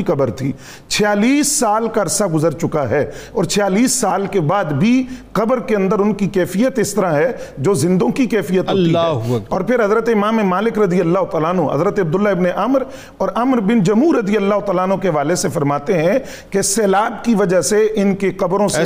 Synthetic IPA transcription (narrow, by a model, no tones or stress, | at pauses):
iqɐbəɾt̪ʰiː | t͡ʃʰɪjaːliːsːaːlkaɾsaɡʊzəɾt͡ʃʊkaɦɛːɔːɾt͡ʃʰɪjaːliːsːaːlkebaːd̪bʱiqɐbəɾkeɐ̃nd̪əɾʊnkikɛːfijət̪ɪst̪əɾaɦɛd͡ʒoːzɪ̃nd̪õkikɛːfijət̪ɦoːt̪iɛɦɔːɾpʰɪɾɦɐzɾət̪eɪmaːmemaːlɪkɾɐd̪ijəlːaːɦʊt̪aːlaːnɦũɦɐ̰zɾət̪eɐb̚d̪ʊlːaɪbneʔɐmɾ | ɔːɾʔɐmɾbɪnd͡ʒɐmɦuːɾːɐd̪ijəlːaːɦʊt̪aːlanɦõkeɦɐʋaːlesefɐɾmaːt̪eɦɛ̃ | kesɛːlaːbkiʋɐd͡ʒaɦseʔɪnkeqɐbɾõse